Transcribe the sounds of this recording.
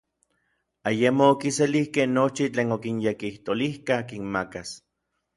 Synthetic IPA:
ajemoːkiselihkehnot͡ʃit͡ɬeːnokinjekiht̪olihkakinmakas

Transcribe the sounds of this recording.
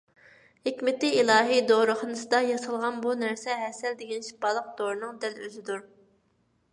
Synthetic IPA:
hekʲmɪt̪ɪilˠɑːɦid̪oɾəχənɨsɨd̪ɑjɑsəlˠʁɑnbunæɾsɛɦɛsɛld̪eɡʲɛnʃi̥pɑlˠəq̚d̪̥oɾnɨŋd̪ɛløzɪd̪uɾ

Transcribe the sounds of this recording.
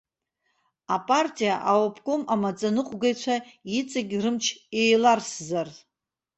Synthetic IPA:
apʼartʼijaʔawopʰkʷʼomamat͡sʼanɨqʷʼɡajt͡ɕʷʰait͡sʼaɡʲirɨmt͡ʃʰejlarszar

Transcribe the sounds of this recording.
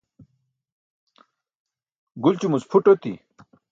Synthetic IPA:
ɡult͡ɕumut͡spʰuʈot̪ḭ

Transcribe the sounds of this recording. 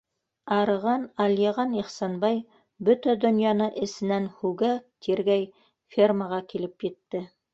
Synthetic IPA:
ɑɾɤ̆ʁɑnɑljeʁɑniχsɑnbɑj | bɵt̪æd̪ɵ̆njɑnɤʔɘ̆sɘ̆nænhʉɡæk̚t̪ʰiɾɡæj | fʲirməʁɑkilɘpjɘ̆t̪ːɘ

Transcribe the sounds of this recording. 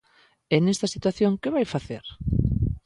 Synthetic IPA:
enest̪ɐsit̪waθjõŋkɪβajfaθeɾ

